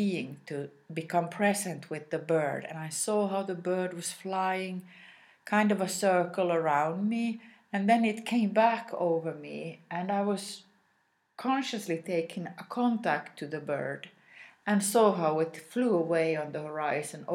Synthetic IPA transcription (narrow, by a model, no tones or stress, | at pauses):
iɪ̃ŋtʰɨ | bɨkʰʌ̃mpʰɹ̥ɛzɨ̃ntʰwɨðɨbɜ˞dɨ̰̃naɪsɔɦaʊðɨbɜ˞d̚wʌz̥flaɪɪ̃ŋ | kʰãɪ̃ndʌvəsɜ˞kl̩ˠə˞ãʊ̃nd̚mi | ɨ̃nðɨ̃nɨt̚kʰẽɪ̃mbækʰo̰ʊvə˞mḭɨ̃naɪwʌz̥ | kʰɑ̃nʃɨslitʰeɪkʰɪ̃ŋəkʰɑ̃ntæk̚tʰɨðɨbɜ̰˞d | ɨ̃nsɔɦaʊɪtfluəweɪə̃nðɨhə˞aɪzɨ̃n